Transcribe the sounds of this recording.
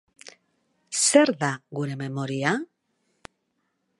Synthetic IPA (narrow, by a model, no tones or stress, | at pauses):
se̞ɾðaɣuɾe̞me̞mo̞ɾia